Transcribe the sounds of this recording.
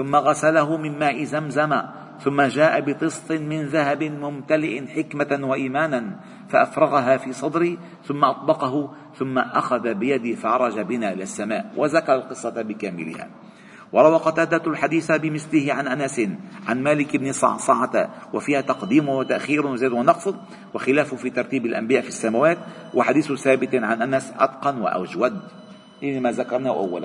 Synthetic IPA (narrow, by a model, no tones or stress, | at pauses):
θʊmːaɣasalaɦʊmɪmmaːʔɪzamzama | θʊmːad͡ʒaːʔabɪt̪ˤɨsˤt̪ˤɨmɪnðaɦabɪmʊmt̪alɪʔɪnħɪkmawaʔiːmaːnan | faʔafɾˤɑɣaɦaːfiːsˤɑd̪ɾi | θʊmːaʔɑt̪ˤbɑqɑɦʊ | θʊmːaʔaxaðabɪjad̪ɪfaʕɑɾˤɑd͡ʒabɪnaːʔɪlasːamaːʔwʔazakaɾˤɑlqɨsˤːɑbɪkaːmɪ̰lɪ̰ha̰ː | wɑɾˤɑwɑːqɑt̪aːd̪at̪lħad̪iːθabɪmɪθlɪhɪʕanʔanasɪnʕanmaːlɪkɪbnisˤɑ̰ʕsˤɑʕɑt̪a̰wafiːhat̪ɑqd̪iːmʊwat̪aʔxiːɾwzaːd̪wɪnɑqsˤ | waxɪlaːffiːt̪ɑɾˤt̪iːbɪlʔa̰mbɪjaːʔfisːamawaːt̪̚ | wʔaħad̪iːθθaːbɪt̪ʕanʔanasʔɑ̰d̪qɑnwɪ̰ʔa̰d͡ʒwad̪ | ʔanimaðakɑɾˤnahʔa̰wːa̰la̰